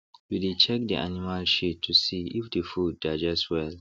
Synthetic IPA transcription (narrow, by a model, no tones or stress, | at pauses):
widet͡ʃɛk̚diʔa̰nimalʃitʰːusiifdəfudːad͡ʒɛstwɛl